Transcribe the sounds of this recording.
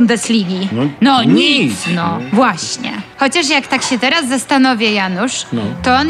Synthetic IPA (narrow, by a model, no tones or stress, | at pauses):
und̪ɛslʲiɡʲinɔɲisnɔvwaɕɲɛ̰xɔt͡ɕaʂjakt̪akɕɛt̪ɛɾazːast̪anɔvʲjɛjanuʂt̪ɔɔn